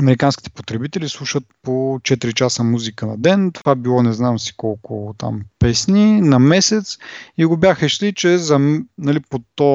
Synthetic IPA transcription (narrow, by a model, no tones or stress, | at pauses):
ɐmɛɾikanskʲi̥t̪ɛ̥pot̪ɾɛbit̪ɛlislˠuʃət̪̚pot͡ʃɛt̪iɾit͡ʃasəmuzikənɐd̪ɛnt̪ovabilˠɔnɛznamsi̥kɔlˠkʊt̪a̰mpɛsninɐmɛsɛt̪siɡobjaxəiʃlit͡ʃɛzɐmnɐlipot̪ɔ